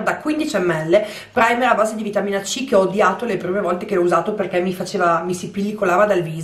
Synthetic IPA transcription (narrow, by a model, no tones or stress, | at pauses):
d̪akwind̪it͡ʃɛmːɛlːe | pɾajmeabaːzed̪ivit̪amiːnat͡ʃikeɔd̪jaːt̪olepɾiːmevɔlt̪ekeɔuzaːt̪operkɛmːifat͡ʃeːvamisipilːikolaːvad̪alviːz